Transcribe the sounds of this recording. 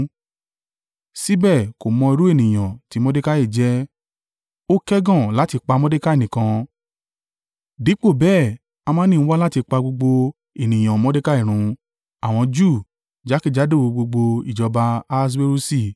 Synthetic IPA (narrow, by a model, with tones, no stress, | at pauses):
si˦bɛ˦˨ko˨mɔ̃˧i˧ɾu˦e˦˨nĩ˨j̃ã˨ti˨˦mɔ̃˦de˦ka˦i˦˨d͡ʒɛ˦ | o˦kɛ˦ɡɔ̃˦˨la˨˦ti˧k͡pa˧mɔ̃˦de˦ka˦e˦˨nĩ˨kã˧ | di˨˦k͡po˦˨bɛː˦˨ | a˧mãː˦nĩ˦˧˦wa˦la˦ti˧k͡pa˧ɡ͡bo˧ɡ͡bo˧ | e˨nĩ˨j̃ã˨mɔ̃˨˦de˦ka˦i˦˨ɾ̃ũ˨˦ | a˨w̃ɔ̃˧d͡ʒu˦˨ | d͡ʒa˨˦ki˦˨d͡ʒa˨˦do˦˨o˨˧ɡ͡bo˧ɡ͡bo˧i˨d͡ʒɔ˧ba˧a˧˦s̬be˦ɾu˦si˦˨